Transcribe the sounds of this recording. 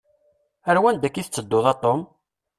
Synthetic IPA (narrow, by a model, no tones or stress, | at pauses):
əɾwænd̪ækːiθət͡sːəd̪ːoðˤɑt̪ˤːom